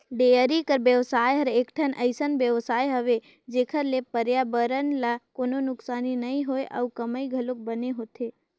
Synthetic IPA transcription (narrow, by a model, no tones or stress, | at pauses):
ɖejəɾikəɾbjəʋsajɦəɾeekʈʰənʔəɪsənʋjəʋsajɦəʋe | d͡ʒekʰəɾlepəɾjabəɾənlakononʊksaninəiɦojʔa̰ukəməiɡʱəlok̚bəneɦot̪ʰe